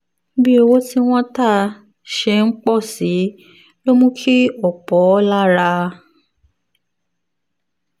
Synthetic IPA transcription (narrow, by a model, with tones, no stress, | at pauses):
bi˦e˧wo˦ti˦w̃ɔ̃˦ta˦˨ | ʃɛ˧˦ŋ͡m̩˦k͡pɔ˦˨si˨˦ | lo˦mũ˦kʰi˦ɔ˨k͡pɔ˨˦la˦ɾa˧